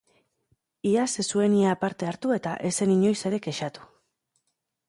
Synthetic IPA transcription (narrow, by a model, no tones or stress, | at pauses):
iasesue̞niapaɾt̪e̞aɾt̪ue̞t̪aʔe̞se̞niɲo̞jse̞ɾe̞ke̞ʃat̪u̥